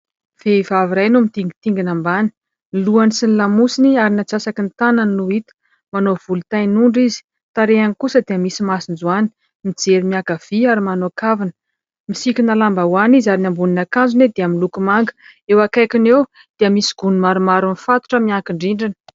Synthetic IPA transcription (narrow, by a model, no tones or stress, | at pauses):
v̥eivaviɾajnumit̪iŋɡit̪iŋɡinambani̥ | nluanisinilamusiniaɾinat͡sasakint̪anannuit̪ə̥ | manov̥ulut̪ajnuɳɖ͡ʐizi̥ | t̪aɾeanikusəd̪eəmisimasind͡zuani̥ | mid͡zeɾimiakav̥iaɾimanokavinə̥ | misikʲinalambawanizaɾinambuninakand͡zuned̪eamilukumaŋɡə̥ewakajkinew | d̪̥eəmisi̥ɡ̥unimaɾumaɾunifat̪u̥ʈ͡ʂəmiaŋkiɳɖ͡ʐiɳɖ͡ʐinə̥